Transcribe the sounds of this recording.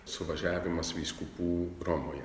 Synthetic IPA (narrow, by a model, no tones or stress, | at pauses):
sʊʋɐʒʲæːʋʲɪmɐsʋʲiːskupuːɾɔmoːjɛ